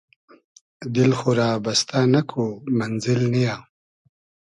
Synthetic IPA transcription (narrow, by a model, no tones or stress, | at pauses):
d̪ɪlxuɾaːbast̪anakʰomanzɪlnijaː